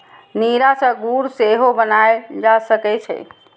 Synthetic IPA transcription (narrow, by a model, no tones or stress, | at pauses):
niɾasə̃ɡuɾseɦobənaed͡ʒasəkɛt͡ʃʰɛ̰